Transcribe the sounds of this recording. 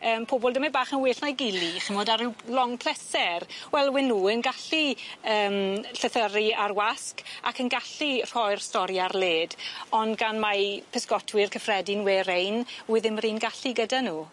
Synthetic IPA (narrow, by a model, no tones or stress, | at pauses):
əːmpʰoːbɔlˠdəmabaːχənweːɬnajɡɪliχənvoːdaɾɪwlɔŋpʰl̥ɛsɛrwɛlˠwɪnːuːənɡaɬiəːmɬəθəriarwaska̰kʰənɡaɬir̥ɔjrstɔɾjarleːdɔndɡanmapʰəskɔtʰwɨrkʰəfrɛdɪnweːɾejnwɪðɪmriːnɡaɬiɡədanuː